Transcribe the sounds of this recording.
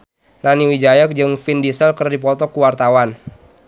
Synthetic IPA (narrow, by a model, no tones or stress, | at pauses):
naniwid͡ʒajək̚d͡ʒɨŋfindisəlkərdipɔt̪ɔkuwart̪awan